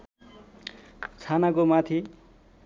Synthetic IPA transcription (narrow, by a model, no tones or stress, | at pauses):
t͡sʰanakomat̪ʰi